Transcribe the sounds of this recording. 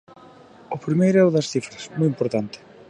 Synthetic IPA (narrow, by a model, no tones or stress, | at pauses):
ʊpɾimejɾʊɛʊðɐsθifɾɐsmɔjimpoɾt̪ant̪ɪ̥